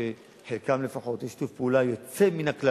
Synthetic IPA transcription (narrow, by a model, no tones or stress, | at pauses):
e | ħelkamle̞faχo̞tjeʃtufpeulajo̞t͡se̞minakla